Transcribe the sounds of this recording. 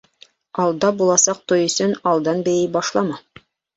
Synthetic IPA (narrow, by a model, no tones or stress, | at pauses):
ɑlˠd̪ɑbulˠɑsɑq̚t̪ojɵ̆sɵnɑlˠd̪ɑnbɘjibɑʃlˠɑmɑ